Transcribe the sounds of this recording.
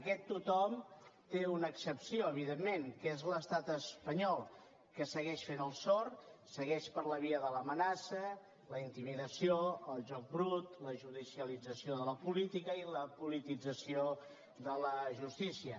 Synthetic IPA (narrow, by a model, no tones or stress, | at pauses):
əkɛt̪ːut̪ɔmt̪eunəːksəpsioəβ̞iðemːeŋkezləst̪at̪əspəɲɔlˠ | kəsəɣɛʃfenəlˠsɔɾsəɣɛʃpəɾləβ̞iəðələmənasə | ləint̪imiðəsioəlˠʒɔk̚bɾut̪ləʒuðisiəlid͡zəsioðələpulit̪ikəiləpulit̪id͡zəsio | ðələʒust̪isiə